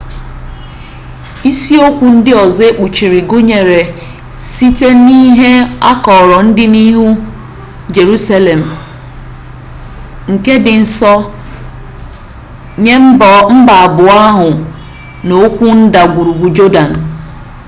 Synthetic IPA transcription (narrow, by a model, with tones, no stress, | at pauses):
i˦si˦o˦kʷu˨n̩˦dɪ˦ɔ˨ze˦k͡pu˨t͡ʃi˨ɾi˨ɡʊ˦ɲe˨ɾe˨ | si˦te˦ni˦ɦe˦a˦kɔ˨ɾɔ˨n̩˦dɪ˦ni˦ɦu˦ | d͡ʒe˨ɾu˦sa˦le˨m̩˨ | ŋ̩˨ke˦dɪ˨n̩˦sɔ˦ | ɲe˦m̩˦bɔ˨m̩˦ba˨a˨bʊ˨a˦ɦʊ˨ | no˦kʷu˦n̩˦da˨ɡʷu˨ɾu˨ɡʷu˨d͡ʒo˦da˨n̩˨